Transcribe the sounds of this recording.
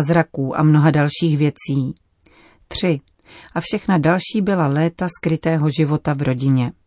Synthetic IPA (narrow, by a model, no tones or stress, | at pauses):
zɾakuːʔa̰mno̞ɦadalʃiːxvjɛt͡siː | t̪r̝̥ɪ | ʔafʃɛxnadalʃiːbɪlalɛːt̪askɾɪt̪ɛːɦo̞ʒɪvo̞t̪avɾo̞ɟɪɲɛ